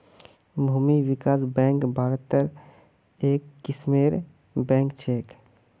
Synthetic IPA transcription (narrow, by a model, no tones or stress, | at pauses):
bʱuːmiwɪkaːsbɛ̃ːŋkbʱaːɾət̪ːəɾ | eːkːɪsmeːɾ | bɛ̃ːŋkt͡ʃʰeːk